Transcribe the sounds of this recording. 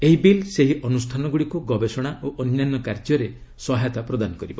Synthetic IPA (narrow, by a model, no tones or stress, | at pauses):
eɦibilseɦiʔɔnusʈʰanɔɡuɽikuɡɔbesɔɽ̃aʔoʔɔnjanːɔkaɾd͡ʒɔɾe | sɔɦajt̪apɾɔd̪anɔkɔɾibɔ